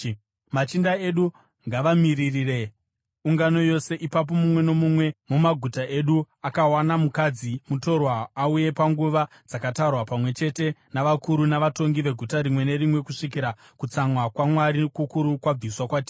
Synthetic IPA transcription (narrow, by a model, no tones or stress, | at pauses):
mat͡ʃindae̞ɗu | ŋɡaʋamiririre̞ | uŋɡano̞jo̞se̞ʔipap̬o̞mumwe̞no̞mumwe̞mumaɡʱutaʔe̞ɗu | akawanamukad͡zimuto̞rwaːuje̞paŋɡuʋa | d͡zakataurwapamwe̞t͡ʃe̞te̞naʋakuɾunaʋato̞ŋɡiʋe̞ɡʱutaɾimwe̞ne̞rimwe̞kuʂik̬iɾa | kut͡samwakwamwaɾikukuɾukwab͡viswakwatiː